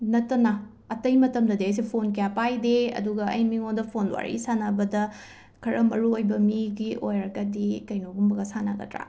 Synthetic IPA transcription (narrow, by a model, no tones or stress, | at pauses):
nɐtːɐnɐ | ɐtɐjmɐtɐmdɐdeɐjs̬epʰonkɐjapajdeɐ̰duɡɐɐ̰jmiŋondɐpʰonwa̰ɾḭsanabɐdɐ | kʰɐɾɐmɐɾuojbɐmiɡio̰jɾɐɡɐdikɐjnoɡumbɐɡɐsana̰ɡɐ̰tɾa̰